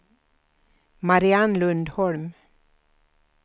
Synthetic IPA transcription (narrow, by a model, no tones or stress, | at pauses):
mɑɾɪɑnlʉnd̪hɔɭm